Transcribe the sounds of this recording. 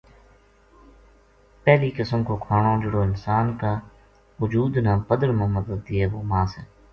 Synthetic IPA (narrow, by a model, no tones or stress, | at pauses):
pɛːliːkəsəmkoːkʰaːɳõːd͡ʒʊɽoːɪnsaːnkaː | ʊd͡ʒuːd̪nãːpəd̪əɾmãːməd̪əd̪̚ːɪːeːʋoːmãːseː